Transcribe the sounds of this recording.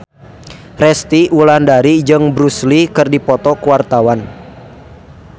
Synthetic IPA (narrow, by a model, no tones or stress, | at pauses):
rɛst̪iulandaɾid͡ʒɨŋbɾuslikɨrdipɔt̪ɔkuwart̪awan